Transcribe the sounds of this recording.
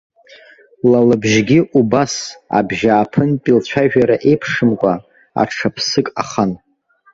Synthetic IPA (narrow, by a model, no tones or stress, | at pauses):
lalɨbʒɡʲiʔubasa̰bʒaːpʰɨnpʼilt͡ɕʷʰaʒᶣaɾaʔe̞jpʰʂɨmkʷʼa | a̰ʈ͡ʂʰapʰsɨkʼa̰χan